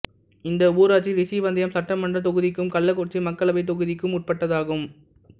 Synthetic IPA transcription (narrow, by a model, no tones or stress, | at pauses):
ɪnd̪ɐuːɾaːʈt͡ʃiɾɪsiːʋɐnd̪ɪjɐmsɐʈːɐmːɐɳɖrɐt̪ɔɣɯðɪkːɯmkɐɭːɐkːɔrt͡ʃːimɐkːɐɭɐʋɐɪt̪ɔɣɯðɪkːɯmʊʈ̚pɐʈːɐðaːɣɯm